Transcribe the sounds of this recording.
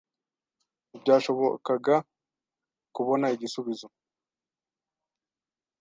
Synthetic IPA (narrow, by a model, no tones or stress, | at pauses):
ibɟaːʃo̞βokaɡa | kuβo̞naiɟisuβizo̞